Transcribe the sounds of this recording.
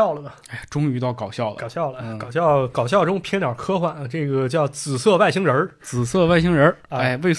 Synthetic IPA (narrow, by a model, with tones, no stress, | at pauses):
ʊlə˩də˩a˥˩ʈ͡ʂʊ˥ŋy˧˥t̪ɑ˥˩ʊkɑ˨˩ʊɕjɑ˥˩ʊləkʊɕjɑ˥˩ʊlə˩kɑ˨˩ʊɕ̬jɑ˥˩ʊkɑ˨˩ʊɕ̬jɑ˥˩ʊʈ͡ʂʊ˥ŋpʰjɛ˥nt̪jɑ˨˩kʰɤ˥xwa˥˩nʈ͡ʂɤ˥˩ɡə˩t͡ɕjɑ˥˩ʊt͡sɹ̩˨˩sɤ˥˧wa˥˩ɪɕi˧˥ŋɻə˧˥t͡sɹ̩˨˩sɤ˥˧a˥˩ɪɕi˧˥ŋɻə˧˥a˥a˥˩we˥˧ɪ